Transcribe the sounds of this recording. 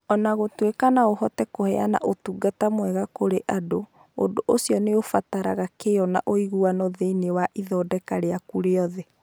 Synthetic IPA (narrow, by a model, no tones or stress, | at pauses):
ɔnaɣotwekanaohɔtɛkohɛana̰ʔotuɡatamwɛɣakoɾeʔado | odoʔosiɔneofataɾaɣakeɔna̰ʔoiɣuanɔðeinewaʔiðɔːdɛkaɾeakuɾeɔðɛ